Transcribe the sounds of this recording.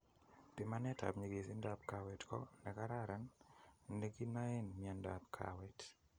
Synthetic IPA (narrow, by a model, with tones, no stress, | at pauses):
pi˨ma˦nɛ˦ta̰˨bɲe˨ɡe˨sɪ˦nda˦pka˨wɛ˨tkɔ˦nɛ˨ka˦ɾa˦ɾa˨nne˦ɡi˦na˦e˦nmi˨a˨nda̰˨pkʰa̰˨wɛ˨t